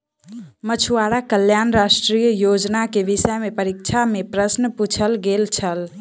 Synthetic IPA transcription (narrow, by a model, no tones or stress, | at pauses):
mət͡ʃʰuaɽakəljanɾasʈɾijəjod͡ʒnakeʋisəjmepəɾik̚t͡ʃʰamepɾəsnəput͡ʃʰəlɡelt͡ʃʰəl